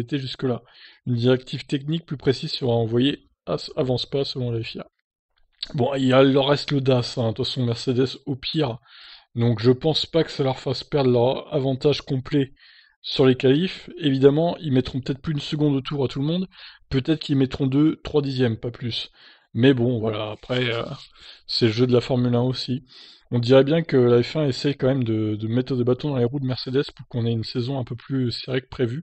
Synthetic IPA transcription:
et̪eʒyskəla | ynd̪iʁɛk̚t̪ʰivt̪ɛknik̚plypχesizsiɔ̃aɑ̃vwaje | asavɑ̃spasəlɔ̃lafja̰ | bɔ̃ilalœʁːɛst̪ləd̪asɛ̃t̪fasɔ̃mɛʁsed̪ɛsopʰiʁ | d̪ɔ̃kʒəpɑ̃spakə̥salœʁfaspɛʁd̪ʁlœʁa̰vɑ̃t̪aʒkɔ̃plɛ | syʁlekalifevid̪amɑ̃ilmɛt̪χɔ̃p̬ø̥t̪ɛt̪χplyynsəɡɔ̃d̪ot̪uʁat̪ulmɔ̃d̪pøt̪ɛt̪χkilmɛt̪χɔ̃d̪øt̪χwad̪izjɛmpaplys | mɛbɔ̃vwalaːpχɛø̰sɛləʒød̪əlafɔʁmylɛ̃osi | ɔ̃d̪iʁɛbjɛ̃kəlaɛfɛ̃esɛjkɑ̃mɛmd̪əd̪əmɛt̪χəd̪ebat̪ɔ̃d̪ɑ̃leʁut̪mɛʁsed̪ɛz̥puʁkɔ̃nɛynsezɔ̃ɛ̃pøplyseʁekə̥pχevy

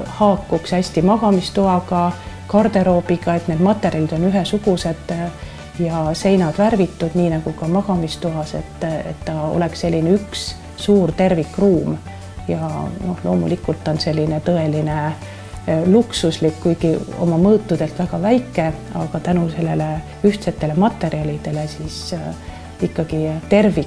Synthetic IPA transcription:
hɑːkːuksæsʲt̪imɑɡ̥ɑmist̪uɑɡɑkɑrd̪e̞ɾo̞ːbiɡ̥ɑe̞t̪ne̞d̪mɑt̪ːˑe̞ɾjɑlid̪o̞nyɦesuɡ̥use̞d̪̥ | jɑse̞jnɑd̪̥værvit̪ːud̪̥niːnɑɡ̥ukɑmɑɡ̥ɑmist̪uɦɑse̞̰t̪ːe̞̰t̪ːɑo̞̰le̞ksse̞lʲːineyksː | uːrt̪e̞rvikːruːm | jɑ̰no̞hlo̞ːmṵlikːult̪ːˑo̞nse̞lʲːine̞t̪ɤ̞e̞line | luksuslikːujɡ̥io̞̰mɑmɤːt̪ːˑud̪̥e̞lt̪væɡ̥ɑvæjkːˑe̞ | ɑ̰ɡɑt̪ænuse̞lːe̞le̞ | yht̪se̞t̪ːe̞le̞mɑt̪ːˑe̞ɾiɑlid̪̥e̞le̞siːs | ikːɑɡ̥it̪e̞rvik

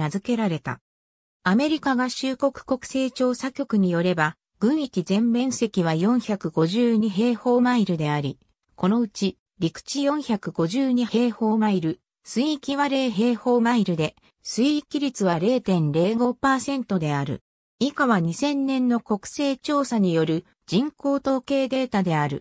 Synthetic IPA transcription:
azɨke̞ɾaɾe̞t̪a̰ | ame̞ɾʲikaɡaɕɨːko̞kɯ̟̥ko̞kɯ̥se̞ːt͡ɕo̞ːsakʲo̞kɯ̟ɲ̟ijo̞ɾe̞ba | ɡ̥ɯ̟̃ɰ̃ikʲizẽ̞mbẽ̞ɰ̃se̞kʲiβ̞ajõ̞ɰ̃çakɯ̟ɡo̞ʑɨːɲ̟iɦe̞ːho̞ːmaiɾɯ̟d̪e̞aɾʲi | ko̞no̞ɯ̟t͡ɕi | ɾʲikɯ̟̥t͡ɕijõ̞ɰ̃çakɯ̟ɡo̞ʑɨːɲ̟ihe̞ːho̞ːmaiɾɯ̟ | sɨikʲiβaɾe̞ːɦe̞ːho̞ːmaiɾɯ̟d̪e̞ | sɨikʲiɾʲit͡sɨβaɾe̞ːt̪ẽ̞nɾe̞ːɡo̞paːsẽ̞nt̪o̞d̪e̞aɾɯ̟̰ | ikaβaɲ̟isẽ̞nːẽ̞nːo̞ko̞kɯ̟̥se̞ːt͡ɕo̞ːsaɲ̟ijo̞ɾɯ̟ | d͡ʑĩŋko̞ːt̪o̞ːke̞ːd̪e̞ːt̪ad̪e̞aɾɯ̟̰

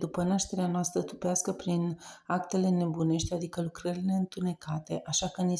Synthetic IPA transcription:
d̪upənaʃt̪e̞ɾeanoast̪ɾət̪upeaskəpɾinakt̪e̞le̞ne̞bune̞ʃt̪ʲad̪ikəlukɾəɾile̞ɨnt̪une̞kat̪e̞ʔaʃakəni

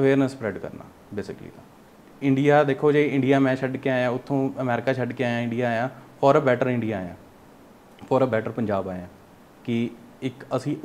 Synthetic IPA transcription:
əʋeːɾnəsːpɾɛːɖkə̰ɾna̰ː | beːsɪ̰klḭːt̪ãː | ɪ̃ɳɖijaːd̪eːkʰːoːd͡ʒeɪ̃ɳɖijaːmɛ̃ːt͡ʃʰəɖkeaːjãːʊt̪ʰːõːəmɛːɾɪkaːt͡ʃʰəɖkeaːjãːɪ̃ɳɖijaːjãːfʰɔːɾəbɛːʈəɾɪ̃ɳɖijaːaːjãː | fʰɔːɾəbɛːʈəɾpəɲd͡ʒaːbaːjãː | kɪ | ɪkəsĩː

